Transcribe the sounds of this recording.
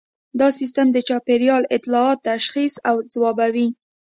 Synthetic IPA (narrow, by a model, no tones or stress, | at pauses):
d̪ɑsis̬t̪əmd̪ət͡ʃɑpeɾjɑlɪt̪lɑɑt̪ːaʃxisawd͡zwɑbawi